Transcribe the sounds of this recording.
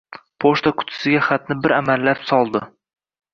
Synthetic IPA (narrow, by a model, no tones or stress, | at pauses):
pʰoʃt̪akʰʊ̥t̪ʰɪ̥sɪɡʲaχat̪nɪbɪɾamalːapsɒlˠd̪ɪ